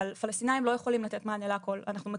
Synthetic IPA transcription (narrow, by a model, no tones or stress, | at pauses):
alfalast̪inaimlo̞jeχo̞limlat̪et̪maːneleako̞la̰naχnume